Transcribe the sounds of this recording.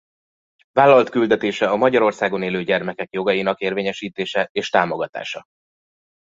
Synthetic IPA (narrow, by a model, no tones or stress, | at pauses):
vaːlːɒlt̪kyld̪ɛt̪eːʃɛɒmɒɟɒɾo̞rsaːɡo̞neːløːɟɛrmɛkɛkjo̞ɡɒjinɒkeːrveːɲɛʃiːt̪eːʃɛeːʃt̪aːmo̞ɡɒt̪a̰ːʃɒ